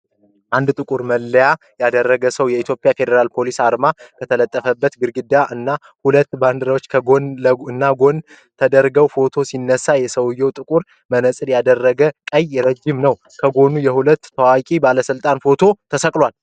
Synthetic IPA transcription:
ʔand̪t̪ʼɨkʼuɾməlːəja | jad̪ərːəɡəsəwjɛit̪ʰjo̞pʼjafe̞d̪əɾalpʰo̞lisaɾmakʰət̪ʰələt̪ʼːəfəbːət̪ɡɨɾɡɨd̪aʔɨnːa | hulət̪ːband̪ɨɾəwot͡ʃːkʰəɡonləɨnːaɡo̞n | t̪ʰəd̪əɾɡəwfo̞t̪ʰo̞sinːəsajɛsəwjːɛwt̪ʼɨkʼuɾ | mənəsʼɨd̪jad̪ərːəɡəkʼəjɾəd͡ʒːɪmnəw | kʰəɡo̞nujɛhulət̪ːʰəwakʼibaləsɨlt̪ʼanfo̞t̪ʰo̞t̪ʰəsəkʼlwal

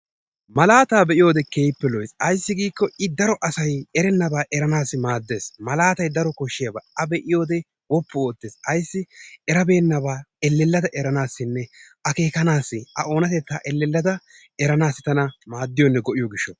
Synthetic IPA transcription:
mɐlaːt̪aːbɛʔɪjo̞ːd̪ɛkeːjpːɛlɔjsɐjsːɪɡiːkːɔɪd̪ɐɾɔʔɐsɐjɛɾɛnːɐbaːʔɛɾɐnaːsːɪmaːd̪ːe̞ːsmɐlaːt̪ɐjd̪ɐɾɔkɔʃːɪjɐba̰ːʔɐbɛʔɪjo̞ːd̪ɛ | wɔpːʊoːt̪ːeːsɐjsːɪɛɾɐbe̞ːnːɐbaːɛlːɛlːɐd̪ɐʔɛɾɐnaːsːɪnːɛ | ɐke̞ːkɐnaːsːɪɐ̰ʔo̞ːnɐt̪ɛt̪ːaːʔɛlːɛlːɐd̪ɐ | ɛɾɐnaːsːɪt̪ɐnɐmaːd̪ːɪjɔnːɛɡɔʔɪjɔɡɪʃːɔ

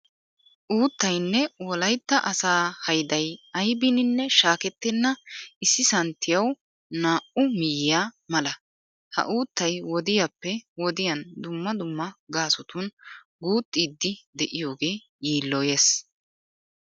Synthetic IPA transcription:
ʔuːt̪ːɐjnːɛwɔlɐjt̪ːɐʔɐsaːhɐjd̪ɐjɐjbɪnɪnːɛʃaːkɛt̪ːɪnːɐɪsːɪsɐnt̪ːɪjɐw | naːʔʊmɪjɪjaːmɐlɐ | hɐ̰ʔuːt̪ːɐjwɔd̪ɪjapːɛwɔd̪ɪjɐnd̪ʊmːɐd̪ʊmːɐɡaːsɔt̪ʊn | ɡuːt̪ʼːiːd̪ːɪd̪ɛʔɪjo̞ːɡe̞ː | jiːlːoːje̞ːs

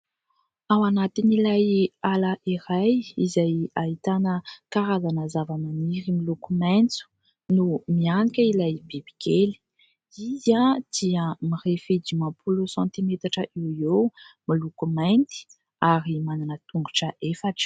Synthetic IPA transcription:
awanat̪inilajalaʔiɾajizajaɦit̪anəkaɾazanəzavananiɾimilukumant͡su̥ | numianikʲəilajbibikeli̥ | izad̪̥iəmirefed̪imãpʰulusɑ̃nt̪imet̪aʈ͡ʂəʔiwemilukumant̪i̥ | aɾimananət̪uŋɡuʈ͡ʂəʔefaʈ͡ʂə̥

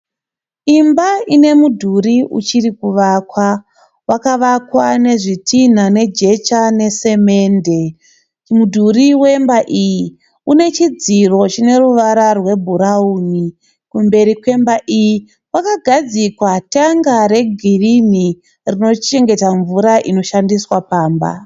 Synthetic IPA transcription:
imbaine̞mudʱuɾiʔṵt͡ʃiɾikuʋakwa | wakaʋakwane̞ʐitʰin̤ane̞d͡ʒe̞t͡ʃane̞se̞me̞ːnde̞ | mudʱuriwe̞mbaʔiji | une̞t͡ʃid͡ziro̞t͡ʃine̞ɾuʋaɾarwe̞bʱuɾauːni | kumbe̞ɾikwe̞mbaʔiji | wakaɡʱad͡zikwataŋɡaɾe̞ɡʱirini | rino̞t͡ʃe̞ŋɡe̞taɱvuɾaʔino̞ʃandiswapaːmba̰

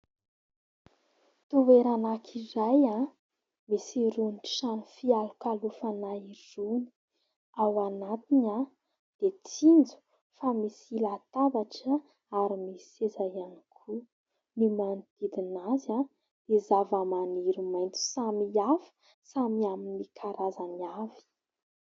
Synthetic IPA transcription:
t̪uveɾanakʰiɾaja | misiɾuniʈ͡ʂʃanifialukalufanairuni̥ | awanat̪ina | d̪̥et͡sind͡zu̥ | famisilat̪avaʈ͡ʂə | aɾimisezajanikʰu | nimant̪id̪inaza | d̪̥ezavəmaniɾumajnt͡si̥samiafə̥ | samiaminikʰaɾazaniavi̥

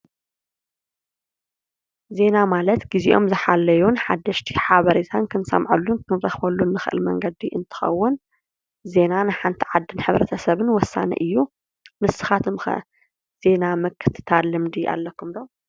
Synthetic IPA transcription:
ze̞namalɐt̪ɡiziʔomzɨħalːɐjunħad̪ːɐʃt̪ʰi̥ħaβɐɾet̪ʰankʰɨnsɐ̰mʕulːunkʰɨnɾɐxβɐlːunːɨxɨʔɨ̰lmɐ̰ŋɡɐd̪iʔɨ̰nt̪ʰɨ̥xɐ̰wːʊn | ze̞nanɨħant̪ʰiʕad̪ːɨnħɨβɾɐt̪ʰɐsɐβɨnwɔsːa̰nɐ̰ʔɨjːu | mɨsɨ̥xat̪ʰɨmxɐ̰ | z̥e̞namɨkʰːɨ̥t̪ʰɨ̥t̪ʰalːɨmd̪iʔa̰lːɐkːumd̪o

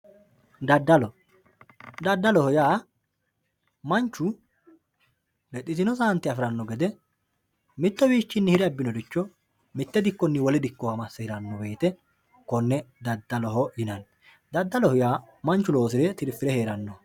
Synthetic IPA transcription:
d̪ɐd̪ːɐlɔ | d̪ɐd̪ːɐlɔhɔjaː | mɐnt͡ʃːʊ | lɛt̪ʼːɪt̪ɪnɔs̬aːnt̪ːɪɐfɪɾɐnːɔɡɛd̪ɛ | mɪt̪ːɔwiːt͡ʃːɪnːɪhɪɾɛɐbːɪnɔd̪ɪt͡ʃːɔ | mɪt̪ːɛd̪ɪkːɔnːɪwɔlɛd̪ɪkːɔwamɐsːɛhɪɾɐnːɔbe̞ːt̪ɛ | kɔnːɛd̪ɐd̪ːɐlɔɦɔjɪnɐn | d̪ɐd̪ːɐlɔhɔjaː | mɐnt͡ʃːʊlo̞ːsɪɾɛt̪ɪɾfɪɾɛhe̞ːɾɐnːɔ

